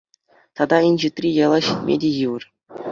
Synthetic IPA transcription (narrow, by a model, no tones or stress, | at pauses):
t̪ɑd̪ɑinʲʑit̪ʲrʲijɑlˠɑɕit̪ʲmʲḛdʲejɯʋɤ̆r